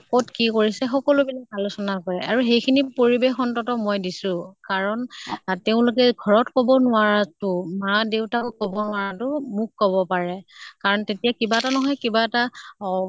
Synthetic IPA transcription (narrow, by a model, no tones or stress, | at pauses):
kɔtkikoɹisɛxɔkɔlʊbilakalʊsɔnakɔɹɛaɹuxejkʰinipoɹibexɔntɔtɔmɔjdisʊ̃kaɹɔnteʊ̃lʊk̬ɛɡʱɔɹɔtkɔbɔnʊaɹatʊmadeʊtakʊkɔbɔnʊaɹatʊmukkɔbɔpaɹɛkaɹɔntetijakibatanɔɦɔjkibaɛta